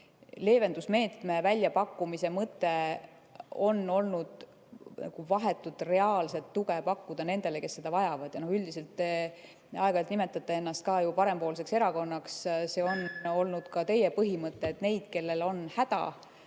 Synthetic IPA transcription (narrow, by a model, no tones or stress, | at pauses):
le̞ːve̞nd̪usme̞ːt̪me̞vælʲːjɑpɑkːumise̞mɤt̪ːˑe̞ | o̞nːo̞lnud̪̥ | nɑ̰ɡ̥uvɑɦe̞t̪ːˑud̪re̞ɑːlse̞t̪ːuɡe̞pɑkːud̪̥ɑne̞nd̪̥e̞leke̞sːe̞d̪̥ɑvɑjɑvɑd̪̥jɑno̞hyld̪ise̞lt̪ːe̞ | ɑeɡɑjlt̪nime̞t̪ːˑɑt̪ːˑee̞nːɑst̪̚kɑːjupɑɾe̞mpo̞ːls̬e̞kse̞ɾɑko̞nːɑksse̞ːo̞no̞lnud̪̥kɑt̪e̞jepɤɦimɤt̪ːeːt̪ne̞jd̪̥ke̞lːe̞lo̞nhæd̪̥ɑ̰